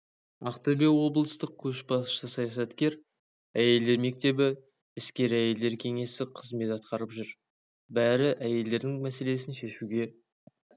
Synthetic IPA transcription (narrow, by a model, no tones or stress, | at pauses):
ɑqt̪əbewo̞bəlˠəst̪əq̚kʲʰɵʃbɑsʃt̪əsɑjɑsɑt̪kʲe̞ɾ | æje̞ld̪e̞ɾme̞k̚t̪e̞bɪ | ɪskʲe̞ɾæje̞ld̪e̞ɾkʲʰe̞ŋe̞sɪqʰəzme̞t̪ɑt̪̚qɑɾəpʒʏɾ | bæɾɪʔæje̞ld̪e̞ɾd̪ɪŋmæse̞le̞sɪnʃe̞ʃuɡʲe̞